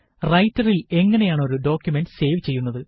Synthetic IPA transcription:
rɐjtːɐrile̞ŋːɐne̞jaːɳoɾuɖo̞ːkʲjume̞nɖse̞ːʋt͡ɕe̞jːunːɐðɨ

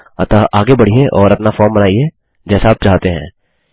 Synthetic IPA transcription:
ɐ̰t̪aʔaːɡebɐɽ̤ieʔɔːɾɐpnafɔːɾmbɐnaːie | d͡ʒɛːsaaːp̚t͡ʃaːɦt̪eɦɛ̰̃ː

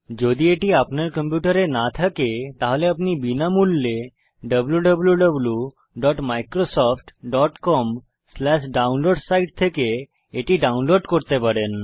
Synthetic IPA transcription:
d͡ʑod̪ieʈiapneɾkəmpjuʈəɾenat̪ʰaket̪aɦoleapnibinamulːe | ɖəbljuɖəbljuɖəblju | ɖɔʈmajkɾosɔfʈɖɔʈkɔm | slɛɕɖaunloɖsaiʈ̚t̪ʰeke | eʈiɖaunloɖkɔɾt̪epəɽen

